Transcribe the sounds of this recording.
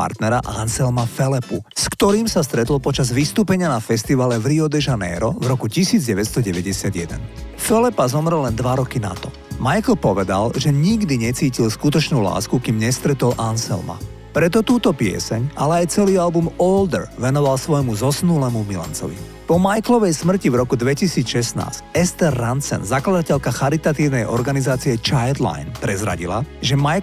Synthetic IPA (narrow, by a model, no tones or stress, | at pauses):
a̰ɾt̪nɛɾaʔansɛlmafɛlɛpṵskt̪ɔɾiːmsast̪ɾɛt̪l̩pɔt͡ʃazʋist̪uːpɛɲɪanafɛst̪iʋalɛʋɾiɔd̪ɛʒanɛ̰ːɾɔvɾɔkucisiːd͡zɟɛʋɛt̪st̪ɔɟɛʋɛɟɛsɪad̪ɪjɛd̪ɛnfɛlɛpazɔmɾɛlːɛnd̪ʋaɾɔkina̰t̪ɔ | majkl̩pɔʋɛd̪a̰lʒɛɲiɡd̪iɲɛt͡siːcilskut̪ɔt͡ʃnuːla̰ːskukiːmɲɛst̪ɾɛt̪ɔlʔansɛ̰lma̰ | pɾɛt̪ɔt̪uːt̪ɔpɪɛ̰sɛɲalɛajt͡sɛliːalbumɔld̪ɛɾʋɛnɔʋalsʋɔjmuzɔsnulɛmumila̰nt͡sɔ̰ʋḭ | pɔmajklɔʋɛjsmr̩civɾɔkud̪ʋɛcisiːt͡sʃɛsna̰ːscɛst̪ɛɾːansɛ̰nzaklad̪acɛʎkaxaɾit̪at̪iːʊnɛjʔɔɾɡanizaːt͡siɛt͡ʃajd̪la̰jnpɾɛzɾa̰ɟila̰ʒɛmaj